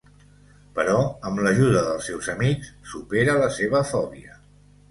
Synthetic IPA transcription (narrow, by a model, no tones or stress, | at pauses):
pəɾɔəmləʒuðəðəlˠsɛwzəmikssupeɾələseβəfɔβiə